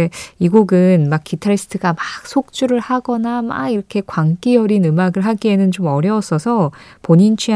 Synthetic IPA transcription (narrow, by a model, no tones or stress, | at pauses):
eiɡoɡɯnmakk͈itʰaɾis͈ʰɯ̥tʰɯɡamak̚sʰok̚t͡ɕ͈uɾɯɭhaɡʌnama̰iɾʌkʰe̞kwaŋk͈ijʌɾinɯmaɡɯɭɦaɡie̞nɯnt͡ɕomʌɾjʌs͈ʌsʰʌpoɲint͡ɕʰi